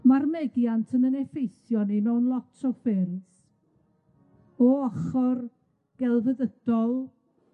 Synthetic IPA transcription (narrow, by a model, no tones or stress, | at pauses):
marmɛdjantʰənənɛfejsjɔninɔwnlˠɔtʰɔfɛːɾɪs | ɔɔχɔr | ɡ̥ɛlˠvəðəd̥ɔlˠ